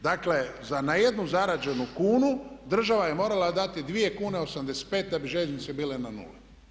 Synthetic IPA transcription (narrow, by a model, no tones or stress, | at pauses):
d̪akle̞zanaje̞d̪nuzaɾad͡ʒe̞nukuːnud̪r̩ʒaʋaje̞mo̞ːɾalad̪at̪id̪ʋije̞kuːneo̞samd̪ese̥t̪̚peːt̪̚d̪abiʒeznit̪sebiːlenanṵle